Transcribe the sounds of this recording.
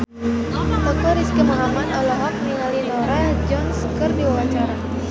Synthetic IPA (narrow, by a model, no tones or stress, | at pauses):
t̪ɔkɔɾiskəmaɦamanɔlɔɦɔk̚miŋalinɔɾad͡ʒɔnskɨrdiwawat͡ʃaɾa